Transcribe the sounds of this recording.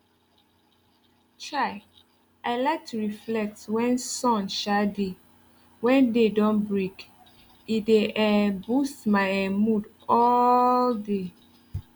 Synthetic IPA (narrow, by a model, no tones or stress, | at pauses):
t͡ʃaɪ | aɪlɛk̚tʰɹiflɛk̚twɛ̃nsɔ̃nʃade | wɛ̃ndedɔ̃nbɹek | ideɛbustmaɪɛmud | ɔlde